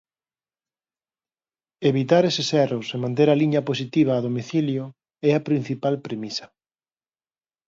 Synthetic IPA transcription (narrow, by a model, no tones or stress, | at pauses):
eβit̪aɾesesɛrosemãnt̪̬eɾɐliɲɐpos̬it̪iβ̞ɐaːðomiθiljo | ɛɐpɾin̟θipalpɾemisɐ̥